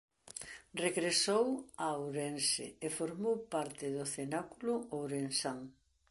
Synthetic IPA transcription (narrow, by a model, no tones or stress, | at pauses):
reɣɾesowawɾensɪ̰efoɾmowpaɾt̪ɪðʊθenakulʊowɾensaŋ